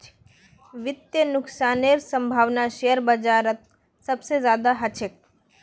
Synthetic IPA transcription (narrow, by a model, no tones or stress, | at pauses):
ʋɪt̪jənʊksaːneɾsə̃mbʱaːʋnaʃejəɾbəd͡ʒaːɾət̪̚ | sɐbsezjaːd̪aɦɐt͡ʃʰek̚